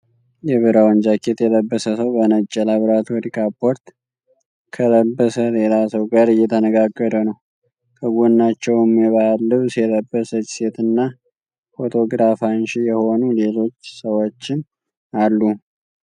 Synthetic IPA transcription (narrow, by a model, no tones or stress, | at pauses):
jɛβɨɾawənd͡ʒakʰːet̪jɛləbːəsəsəwbənət͡ʃʼːɛlaβɾat̪ʰwɔɾikʰapʰo̞ɾt̪ | kʰələbːəsəle̞lasəwɡaɾɨjːɛt̪ʰənəɡaɡːəd̪ənəw | kʰəɡʷunːat͡ʃːɛwɛmɛβaalːɨβsjɛləbːəsət͡ʃɪ̥set̪ʰɨnːa | fo̞t̪ʰo̞ɡɾafanʃijɛho̞nule̞lo̞t͡ʃːsəwot͡ʃːɪn | alːu